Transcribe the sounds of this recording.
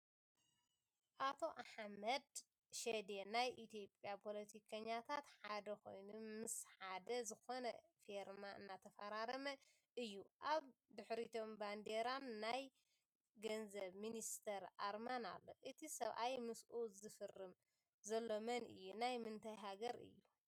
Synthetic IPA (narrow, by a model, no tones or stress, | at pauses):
ʔat̪ʰo̞ʔaħmɐd̪ | ʃed̪enajʔit̪jo̞pʼjapʰo̞lɐt̪ʰikʰɐɲːat̪ʰat̪ħad̪ɐko̞̰jnumɨsħad̪ɐzɨxo̞nɐfeɾmaʔɨ̰nːat̪ʰɐfɐɾaɾɐmɐ | ʔɨjːuʔaβd̪ɨħɾit̪ʰo̞mband̪eɾanːaj | ɡɐnzɐβminist̪ʰɐɾʔa̰ɾmana̰lːo̞̰ʔɨt̪ʰisɐβʔajmɨsʔuzɨfɨrːɨm | zɐlːo̞mɐnɨ̰jːunajmɨnt̪ʰajɦaɡɐɾɨ̰jːu